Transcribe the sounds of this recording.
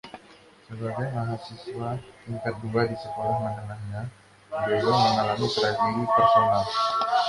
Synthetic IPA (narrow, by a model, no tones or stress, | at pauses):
səbaɡajmaɦasiswaiŋkat̪̚duadisəkolahmandənahɲa | beɾaməŋalamit̪ɾasidipərsonal